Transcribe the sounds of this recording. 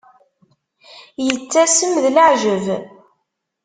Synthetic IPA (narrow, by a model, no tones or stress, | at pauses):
jət͡sːæsəmðləʕʒəv